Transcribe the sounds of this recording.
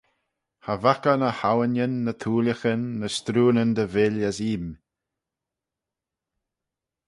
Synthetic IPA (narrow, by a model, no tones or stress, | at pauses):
havakənəhawənjənːət̪ʰuːləxənːəst̪ɾuːnənd̪əvɪləsiːm